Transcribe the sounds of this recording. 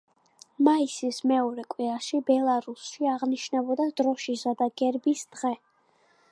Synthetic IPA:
maisismɛɔɾɛkʼwiɾaʃibɛlˠaɾusʃiaʁniʃnabɔd̪ad̪ɾɔʃisad̪aɡ̥ɛɾbisd̪̥ʁɛ

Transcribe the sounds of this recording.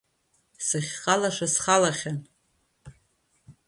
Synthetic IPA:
sɨχʲqʼalaʂasχalaχʲan

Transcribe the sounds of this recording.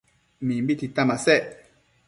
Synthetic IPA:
mimbit̪it̪ãmasɛ

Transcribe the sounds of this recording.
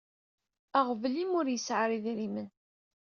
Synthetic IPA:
əʁvlimʊɾjəsʕəɾiðɾimən

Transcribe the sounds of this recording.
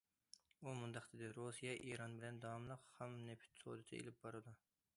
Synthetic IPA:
umund̪ɑqd̪ɪd̪ɪɾosijɑʔiɾɑnbɪlɛnd̪ɑwɑmlˠəqhɛmnɛpʰy̥t̪so̰d̪ɨd̪ɨḛlɪp̚bɑɾɨd̪u

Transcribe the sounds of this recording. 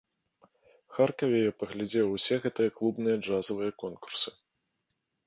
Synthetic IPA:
xarkɐvʲɛjɔpɐɣlʲad͡zʲɛwwsʲɛɣɛt̪ɨjɐklˠubn̪ɨjɐd͡ʐazɐvɨjɐkɔnku̥rsɨ̥

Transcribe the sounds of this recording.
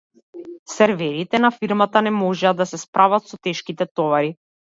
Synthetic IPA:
sɛɾvɛɾit̪ɛnafiɾmat̪anɛmɔʒɛad̪asɛspɾʔavat̪sɔt̪ɛʃkit̪ɛt̪ɔvaɾi

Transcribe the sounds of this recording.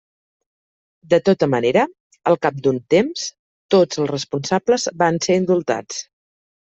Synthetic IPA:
d̪ət̪ot̪əməneɾə | əlˠkap̚d̪unt̪ems | t̪od͡zəlˠsrəspunsabləzbanseɾind̪ulˠt̪a̰t͡s

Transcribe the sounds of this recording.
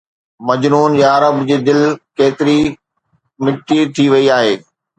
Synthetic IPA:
mɐd͡ʑnuːnjaɐɾəbd͡ʑeːd̪ɪlkeːt̪ɪɾi | mɪʈit̪ʰiʋɐiaːɦeː

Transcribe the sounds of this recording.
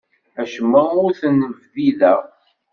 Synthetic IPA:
æʃəmːəʊɾθənːəvðilæ

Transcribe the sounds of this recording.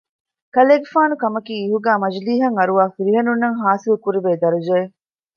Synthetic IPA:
kɐleːɡefaːnukɐmɐkiːɦuɡæːmɐd͡ʒliːɦɐŋɐɾuʋaːfiɾiɦɐnunːɐŋɦaːsilukuɾiʋeːd̪ɐɾud͡ʒe

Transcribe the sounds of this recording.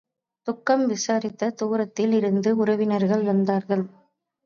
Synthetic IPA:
t̪ʊkːɐmʋɪsaːɾɪt̪ːɐt̪uːɾɐt̪ːɪlɪɾɯnd̪ɯʊɾɐʋɪnɐɾɣɐɭʋɐnd̪aːɾɣɐɭ

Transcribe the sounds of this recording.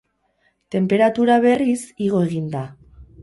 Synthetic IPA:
t̪e̞mpe̞ɾat̪uɾaβe̞risiɣ̞o̞e̞ɣind̪a

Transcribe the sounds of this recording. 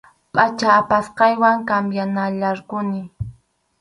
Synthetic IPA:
pʼat͡ʃaːpasqɑjwaŋkambjanaʎaɾkʊnɪ

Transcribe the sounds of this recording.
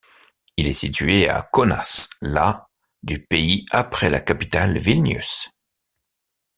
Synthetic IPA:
ilɛsit̪ɥea̰kɔna̰sla | d̪ypeiapχɛla̰kapit̪alvilnjy̰s

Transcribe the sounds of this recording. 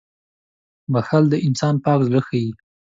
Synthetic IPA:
maxald̪əʔɪnsɑnpɑkzɽəxaji

